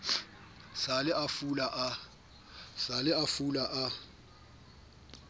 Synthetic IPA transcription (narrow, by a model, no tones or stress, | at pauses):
salɪʔafulaʔa | salɪafulaʔa